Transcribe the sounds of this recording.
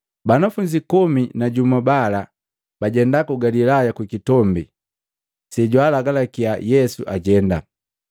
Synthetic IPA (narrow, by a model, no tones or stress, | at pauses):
banafuɲd͡ʒikɔminaɟumabala | b̥aɟɛndakuɡalilajakwikitɔmbḭ | sɛɟwalaɡalakiajɛsṵʔaɟɛnda